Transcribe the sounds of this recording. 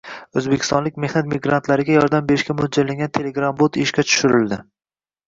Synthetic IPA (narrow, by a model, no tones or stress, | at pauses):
ɵzbekʲʰɪ̥st̪ɒnlɪkʲme̞hnat̪̚mɪɡɾant̪ʰlaɾɪɡʲajɒɾd̪ambe̞ɾɪʃkʲamʊd͡ʒalaŋɡʲant̪ʰe̞le̞ɡɾambot̪ɪʃkʲat͡ʃ̪ʰʊ̥ʃʊɾɪld̪ɪ